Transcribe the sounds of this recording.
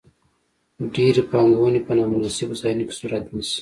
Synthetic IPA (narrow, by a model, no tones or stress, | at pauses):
ɖiːɾipaːŋɡoːnipɐnaːmulasibusainiki̥suːɾɐt̪nisi̥